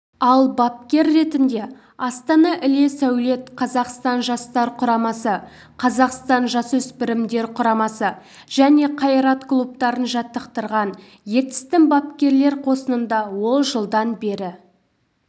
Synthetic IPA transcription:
ɑlˠbɑp̚kʲe̞ɾːe̞t̪ɪnd̪e̞ | ɑst̪ɑnɑʔɪle̞sæwle̞t̪qʰɑzɑqst̪ɑnʒɑst̪ɑɾqʰʊɾɑmɑsə | qʰɑzɑqst̪ɑnʒɑsɵspɪɾɪmd̪e̞ɾqʰʊɾɑmɑsə | ʒ̥æne̞qʰɑjɾɑt̪klˠup̚t̪ɑɾənʒɑt̪ːəqt̪əɾʁɑn | je̞t̪ɪ̥st̪ɪŋbɑp̚kʲe̞ɾle̞ɾqʰo̞sənənd̪ɑwo̞lˠʒəlˠd̪ɑnbe̞ɾɪ

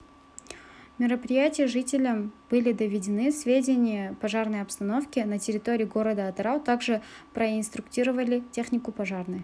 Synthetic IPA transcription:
mʲɪɾəpɾʲɪjætʲɪjəʐɨtʲɪlʲəmb̥ɨlʲɪd̪əvʲɪdʲɪnɨsvʲedʲɪnʲɪjəpɐʐarnəjɐpst̪ɐno̞fkʲɪnətʲɪɾʲɪt̪o̞ɾʲɪjɡo̞ɾəd̪əɐt̪ɾawˠt̪aɡʐɨpɾəɪnst̪ɾʊktʲiɾəvəlʲɪtʲexnʲɪkʊpɐʐarnɨj

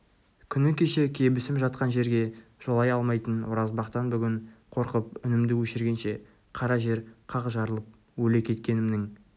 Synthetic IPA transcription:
kʲʰʏnɪkʲʰe̞ʃe̞kʲʰe̞bɪsɪmʒɑt̪̚qɑnʒe̞ɾɡʲe̞ʒ̥olˠɑjɑlˠmɑjt̪ənwoɾɑzbɑqt̪ɑnbʏɡʲɪɴqʰo̞ɾqəp̚ʏnɪmd̪ɪwɵʃɪɾɡʲe̞nʃe̞ | qʰɑɾɑʒe̞ɾqʰɑʁʒɑɾəlˠəp̚ | wɵle̞kʲʰe̞t̪kʲe̞nɪmnɪŋ

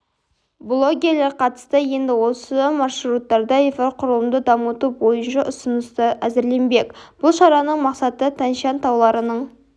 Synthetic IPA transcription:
blˠo̞ɡʲeɾleɾqʰɑt̪ə̥st̪əje̞nd̪ɪwo̞səmɑʃɾut̪ːɑɾd̪ɑefoqʰʊɾəlˠəmd̪əd̪ɑmət̪ubo̞jənʃəʔʊsənəst̪əʔæzɪɾle̞nbe̞kʲb̥ʊlˠʃɑɾɑnəɴmɑqsɑt̪ət̪ʰænʃɑnt̪ʰɑwlˠɑɾənəɴ

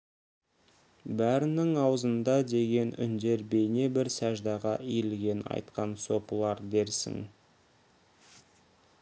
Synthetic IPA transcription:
bæɾɪnɪŋɑwəzənd̪ɑd̪e̞ɡʲe̞nʏ̰nd̪e̞ɾbe̞jne̞bɪɾsæʒd̪ɑʁɑʔijlɡʲe̞nɑ̰jt̪qɑnso̞pəlˠɑɾd̪e̞ɾsɪ̰ŋ

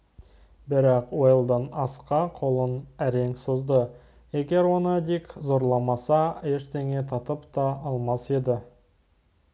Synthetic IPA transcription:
bɪɾɑqwojəlˠd̪ənɑsqɑqʰo̞lˠənæɾe̞ŋsozd̪ə | e̞ɡʲe̞ɾwo̞nəd̪ikzo̞ɾlˠɑmɑsɑeʃt̪e̞ŋe̞t̪ʰɑt̪əpt̪ɑɑlˠmɑse̞d̪ɪ

